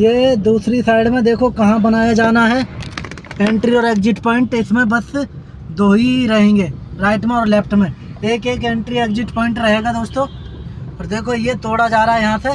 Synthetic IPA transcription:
jeːd̪uːsɾisaːɪɖmẽd̪eːkʰokɐɦãbɐnaːjad͡ʒaːnaɦɛː | ẽːɳʈɾiɔːɾeːkd͡ʒɪʈpɔːɪ̃ɳʈɪsmẽbɐs | d̪oːɦiɾɐɦẽːŋɡeːɾaːɪʈmẽɔːɾleːpʰʈmẽ | eːkeːkẽːɳʈɾieːkzɪʈpɔ̃ːɪ̃ɳʈɾɐɦeːɡad̪oːst̪õːɔːɾd̪eːkʰojet̪oːɽad͡ʒaːɾaɦɛjɐɦãse

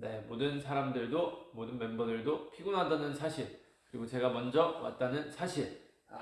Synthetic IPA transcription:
ne̞modɯnsʰaɾamdɯɭdomodɯnme̞mbʌdɯɭdopʰiɡunɦadʌnɯnsʰaɕʰiɭ | kɯɾiɡot͡ɕe̞ɡamʌnd͡ʑʌwa̰t̚t͈anɯnsʰaɕʰiɭ

